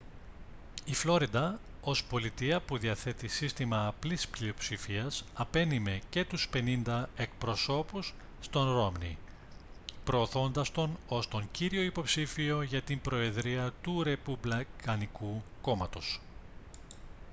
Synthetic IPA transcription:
iflo̞ɾid̪ɐo̞spo̞lit̪iɐpuðiɐθe̞t̪isist̪imɐːplisplio̞psifiɐsɐpe̞nime̞ce̞t̪uspe̞nind̪ɐe̞k̚pɾo̞so̞pusː | t̪o̞nɾo̞mnḭ | pɾo̞ːθo̞nd̪ɐst̪o̞no̞st̪o̞ɲciɾio̞ipo̞psifio̞ʝɐt̪imbɾo̞e̞ðɾiɐt̪uɾe̞publɐkɐnikuko̞mɐt̪o̞s

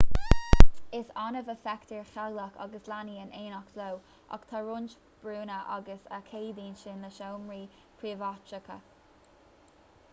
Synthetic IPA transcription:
ɪsɑnəvəfɛkt̪ʰiɹxaɡləkʰa̰ɡəslaniːənʔeːnɔklow | ʔɔ̰kt̪ʰaɹʊnt͡ʃ | b̥ɹuːnəʔaɡəsəkʰeːd̪iːnʃɪnləʃoːmɹiː | pʰɹiːvat͡ʃəkʰə̰

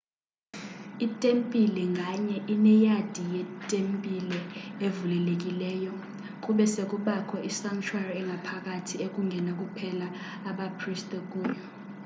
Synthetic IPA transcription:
itʼempʼilɛŋɡʱaɲɛʔinɛjad̥ʱijɛtʼempʼilɛevulɛlek̬ʼilɛːjɔ | kʼuɓɛsek̬ʼuɓakʰɔʔisaŋt͡ʃʰwariɛŋɡʱapʰak̬ʼatʰiekʼuŋɡʱɛnak̬ʼupʰɛlaː | ɓapʰristʼɛk̬ʼuːjɔ

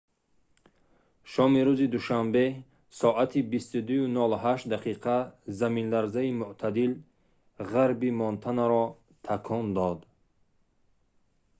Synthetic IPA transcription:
ʃɔmiɾuzid̪uʃambe̞ | sɔʔat̪ʰibist̪ud̪ujunɔlɦaʃt̪d̪aqʰiqʰazaminlaɾzaimuʔt̪ʰad̪il | ʁaɾbimɔnt̪ʰanaɾɔ | t̪ʰakʰɔnd̪ɔd̪

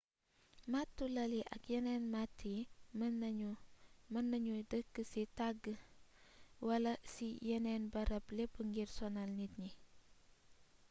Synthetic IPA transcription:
matːulɐliʔɐ̰kjɛnɛnmatʰːim | mɐnːɐɲudəkːəsitaɡə | wɐlɐsijɛnɛnbɐɾɐplepːəŋɡirsɔnalnit̚ɲi

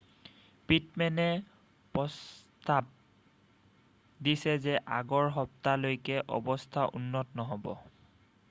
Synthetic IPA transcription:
pitmɛnɛ | pɔstab̚ | disɛzɛʔaɡɔɹɦɔp̚talojkɛʔɔ̰bɔstʰaʔṵnːɔtɔnɔɦɔbɔ̰

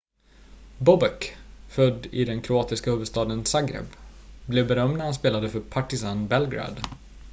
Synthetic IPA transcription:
bɔbɛkfœd̪ːɪd̪ɛnkʰɾʊɑːt̪ɪskahɵːvəd̪st̪ɑːd̪ənsaɡɾɛ̰bblɛvbɛɾœmnahanspeːlad̪əfœɾpʰaʈɪsanbɛlɡɾa̰ːd̪

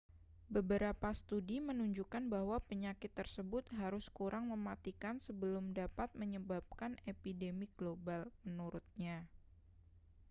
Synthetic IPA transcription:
bəbəɾapast̪udimənuɲd͡ʒukanbaɦwapəɲakɪt̪ːərsəbʊt̪̚ɦaɾʊskuɾʔaŋməmat̪ikansəbəlʊmdapat̪̚məɲəbap̚kanepidemiɡ̥lobalmənuɾʊt̪̚ɲa

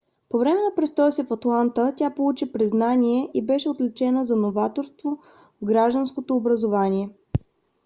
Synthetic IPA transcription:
povɾɛmɛnɐpɾɛst̪ɔjəsifɐt̪lˠant̪ətʲapolˠut͡ʃipɾiznanʲiɛʔibɛʃɛot̪lɛt͡ʃɛnəzɐnovat̪oɾst̪vo | vɡɾaʒd̪ənskot̪oːbɾəzovanʲiɛ

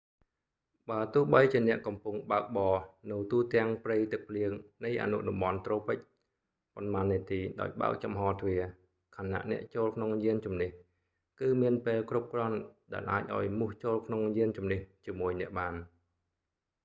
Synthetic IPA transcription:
ɓaət̪ʊ̆əhɓəjt͡ɕiənɛ̆əʔkɑmpuŋɓaək̚ɓɑːnɨwt̪uːt̪ɛ̆əŋprijt̪ɨk̚pʰliəŋnɨjʔa̰ːnṵʔɗɑmɓɑnt̪roːpɨc̚ | ponmaːnːiət̪iːɗa̰ɔjɓa̰ək̚t͡ɕɑmɦɑːt̪ʰʋiə | kʰanːa̰ʔnɛ̆əʔt͡ɕoːlkʰnoŋjiənt͡ɕumniəh | kɨːmiənpeːlkrup̚krŏənɗa̰ɛlʔaːc̚ʔa̰ɔjmuəht͡ɕoːlkʰnoŋjiənt͡ɕumniəht͡ɕiəmuəjnɛ̆əʔɓaːn

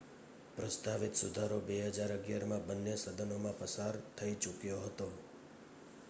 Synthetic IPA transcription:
pɾəst̪aʋit̪sud̪ʱaɾobeɦəd͡ʒaɾəɡjaɾmãbənːesəd̪ʱənomãpəsaɾt̪ʰəit͡ʃʊkjoɦət̪o

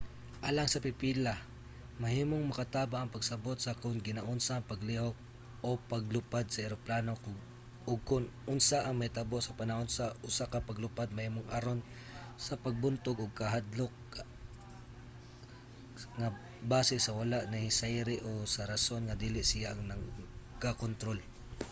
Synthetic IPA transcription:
ʔaːlaŋsɐpɪpila | mɐɦiːmoŋmɐkat̪aːbaʔːŋpɐɡsɐbot̪sɐkʊnɡɪnaʔʊnsaʔŋpɐɡlihok̚ | opaɡlʊpad̪̚sɐɛɾoplanok | ʊɡ̚kʊnʊnsaʔɐŋmajt̪ɐboʔsɐpanahonsɐʔʊsakapɐɡlʊpad̪̚mɐhiːmoŋʔaɾon | sɐpɐɡ̚bʊnt̪ʊɡʊɡ̚kɐɦad̪lok̚ | ŋa | baːsɪsɐwalaʔnɐhɪsajɾɪʔosɐɾɐsonŋad̪iːlɪʔsɪjaʔŋnɐɡkakont̪ɾol

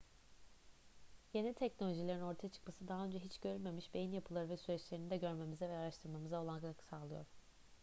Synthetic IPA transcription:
jenʲit̪ʰɛcno̞lʲo̞ʒilʲeɾino̞ɾt̪ʰajat͡ʃʰɯ̥kmasɯd̪aɦaø̞nd͡ʒɛɦit͡ʃɟø̞ɾylʲme̞miʃbe̞jinjapʰɯlˠaɾɯvɛsyɾɛt͡ʃlʲe̞ɾinid̪ɛɟø̞ɾme̞mizɛvɛaɾaʃt̪ʰɯɾmamɯzao̞lˠankaksaːlˠɯjo̞̰ɾ̥

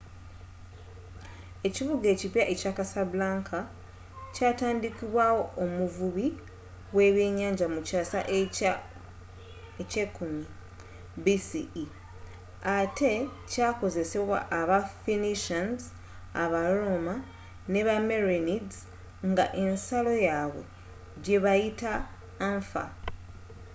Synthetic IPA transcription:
e̞ciβuɡe̞ːcipjaʔecakasaβulaːŋkʰa | caːtaːndikiβwaːwo̞ʔːmuvuβi | we̞ːβjeɲaːɲɟamucaːsa̰ʔ | ecekumi | bisii | ate̞ | caːko̞ze̞se̞βwa̰ʔːβafiniʃanz | aβaɾoma | ne̞βameɾenid | ŋɡa̰ʔe̞nsalo̞jaβwe̞̰ | ɟe̞βajita | ɱfa̰

